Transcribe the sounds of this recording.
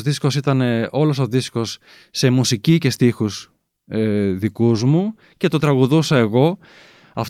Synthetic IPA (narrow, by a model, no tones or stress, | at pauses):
ðisko̞sit̪ɐne̞o̞lo̞so̞ðisko̞sː | e̞musicice̞st̪ixus | eðikuzmu | ce̞t̪o̞t̪ɾɐɣuðusɐe̞ɣo̞ | ɐf